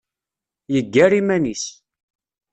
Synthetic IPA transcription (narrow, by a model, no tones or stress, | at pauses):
jəɡːæɾimænis